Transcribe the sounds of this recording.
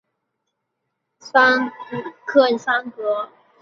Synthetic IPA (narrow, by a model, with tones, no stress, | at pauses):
sa˥ŋkʰə˥˩˨nsa˥ŋkɤ˧˦